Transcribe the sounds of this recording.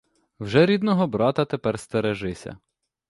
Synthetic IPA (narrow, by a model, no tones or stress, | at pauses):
wʒɛɾʲid̪nɔɦɔbɾɑt̪ɐt̪epɛrst̪eɾeʒɪsʲɐ̰